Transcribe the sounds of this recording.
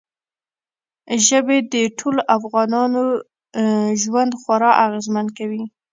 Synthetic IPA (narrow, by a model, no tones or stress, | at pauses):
ʒəbed̪əʈʰoloʔafɣɑnɑno | ʒwand̪xwaɾɑʔaɣezmankawi